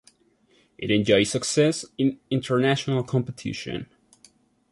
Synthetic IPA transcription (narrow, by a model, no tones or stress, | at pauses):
ʔɨɾɛ̃nd͡ʒɔɪsəksɛsɪ̃nɪ̃ntʰə˞næʃənəl̩ˠkʰɑ̃mpətʰɪ̰ʃɨ̰̃n